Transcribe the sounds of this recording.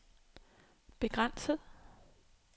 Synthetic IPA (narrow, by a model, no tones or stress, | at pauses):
b̥e̝ɡ̥ʁan̰səð̩ˠ